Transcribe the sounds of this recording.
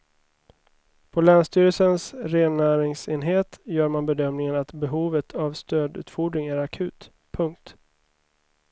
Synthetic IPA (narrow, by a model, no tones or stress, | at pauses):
pʰɔlæːnst̪yːɾəlsənsɾeːnːæːɾɪŋseːnɦeːt̪jœːɾmanbɛd̪œmnɪŋənat̪bɛɦuːvət̪ʰavst̪øːd̪ʉ̰ːt̪fɔɖɾɪŋæɾakʰʉ̟ːt̪ | pʰɵŋk̚t̪